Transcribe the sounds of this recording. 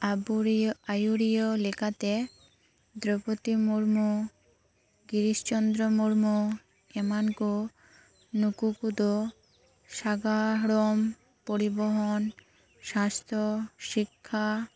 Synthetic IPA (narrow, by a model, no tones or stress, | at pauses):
abajuɾiolekʰat̪e | d̪ɾopot̪imuɾmu | ɡiɾiʃt͡ɕɔnd̪ɾomuɾmu | emanku | nukukud̪o | ʃaɡaɽom | poɾiboɦon | ʃast̪ʰoʃikʰːa